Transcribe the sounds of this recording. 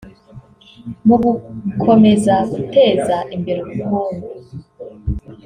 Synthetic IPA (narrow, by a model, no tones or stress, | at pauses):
muɡukʰo̞me̞zaɡute̞ːzaʔimbe̞ɾokuβuːndu